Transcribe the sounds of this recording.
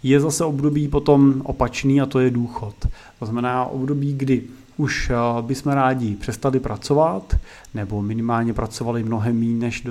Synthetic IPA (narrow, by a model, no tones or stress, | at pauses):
jɛzasɛo̞bdo̞biːpo̞t̪o̞mʔo̰pat͡ʃniːat̪o̞jɛduːxo̞t̪ | oznamɛnaːʔo̞̰bdo̞biːɡdɪ | ʔuʃbɪsmɛɾaːɟɪpr̝̥ɛst̪alɪpɾat͡so̞vat̪ | nɛbo̞mɪnɪmaːlɲɛpɾat͡so̞valɪmno̞ɦɛmːiːnɛʃd